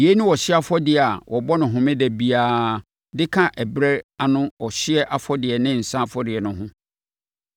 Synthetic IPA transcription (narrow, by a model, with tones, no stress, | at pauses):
i˨e˦nʊ̃˦wɔ˨ɕɪ˦a˦fɔ˦dɪ˨a˨wʔɔ˨bɔ˦nʊ̃˨ɦʊ̃˨mɪ̃˦dɛ˨bi˨aː˦ | dɪ˦kʰã˦ʔɛ˨bɾɛ˦a˨nʊ̃˦ɔ˨ɕɪ˦ɛ˦ʔa˦fɔ˦dɪ˨ɛ˨nɪ̃˦˨n̩˨sã˦fɔ˦dɪ˨ɛ˨nʊ̃˦ɦʊ̃˦